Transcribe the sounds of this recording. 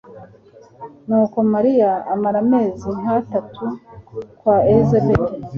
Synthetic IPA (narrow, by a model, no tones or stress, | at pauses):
nuːko̞maɾijaːmaɾame̞ːziŋ̥atatʰukwaezebete